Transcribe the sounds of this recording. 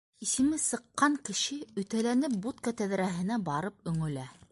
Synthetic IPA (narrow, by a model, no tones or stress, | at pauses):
isɘ̆mɘsɤ̆qːɑŋkɘ̆ʃɘɵ̆t̪ælænɘp̚but̪̚kɑt̪æðɾæɦɘ̆næbɑɾɤp̚ɵ̆ŋɵ̆læ